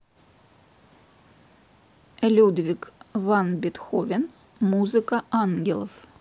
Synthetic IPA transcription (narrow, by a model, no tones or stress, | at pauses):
lʲud̪vʲikvɑnbʲet̪xovʲen | muzɨkɐɑŋɡʲelˠof